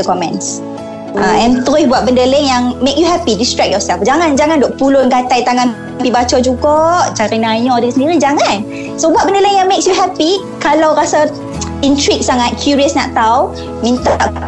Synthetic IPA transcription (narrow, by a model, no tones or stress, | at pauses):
əkɔmɛ̰̃ns | aɛ̃nt̪oɪhbuat̪̚bəndələŋjaŋmekjuɦɛpidistɹɛk̚jɔsɛlfd͡ʒaŋãnd͡ʒaŋãndɔʔ̚pulʊnkat̪ajt̪aŋãn | pibat͡ʃɔd͡ʒuɡɔʔt͡ʃaɾinaɲɔdəŋsəndiɾid͡ʒaŋãn | sobuat̪ʔ̚bəndələŋjaŋmeksjuɦɛpi | kalawɾasa | intɾik̚saŋat̪̚kʰjuɹiəsna̰ʔt̪aw | mĩnt̪aʔ